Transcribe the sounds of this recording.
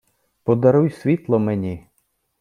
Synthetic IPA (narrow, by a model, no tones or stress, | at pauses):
pɔd̪ɐɾujsʲʋʲit̪lˠɔmenʲi